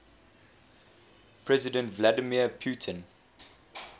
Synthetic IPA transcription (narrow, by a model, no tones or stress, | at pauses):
pʰɹɛzɪdə̃ntvladəmiəpʰjuˑtʰə̃n